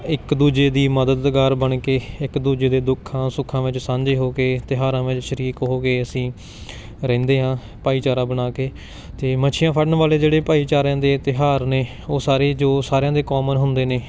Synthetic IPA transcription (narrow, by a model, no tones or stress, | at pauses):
ɪkd̪uːd͡ʒeːd̪iːməd̪əd̪ɡaːɾbəɳkeːɪkd̪uːd͡ʒeːd̪eːd̪ʊkʰːãːsʊkʰːãːʋɪt͡ʃsãːɲd͡ʒeːɦoːkeːt̪ɪɦaːɾãːʋɪt͡ʃʃəɾiːkɦoːkeːəsĩː | ɾɛ̃ːnd̪eːɦãː | paːiːt͡ʃaːɾãːbənaːkeː | t̪eːmət͡ʃʰɪjãːpʰəɽənʋaːleːd͡ʒeːɽeːpaːiːt͡ʃaːɾãːd̪eːt̪ɪɦaːɾneː | oːsaːɾeːd͡ʒoːsaːɾjãːd̪eːkoːmənɦʊnd̪eːneː